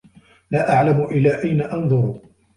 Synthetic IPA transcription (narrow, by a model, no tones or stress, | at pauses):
laːʔaʕlamʊʔɪlːaːʔajnaʔɑnðˤʊɾ